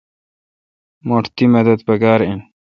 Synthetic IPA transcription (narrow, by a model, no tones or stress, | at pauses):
moʈʰt̪imed̪ɐd̪pɐɡaːɾin